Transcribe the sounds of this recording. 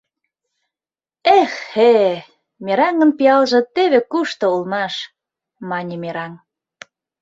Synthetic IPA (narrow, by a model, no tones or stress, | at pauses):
exe | meɾɑŋə̆npiɑlʒɤ̆t̪eβekuʃt̪ɤ̆ulmɑʃ | mɑnʲimeɾɑŋ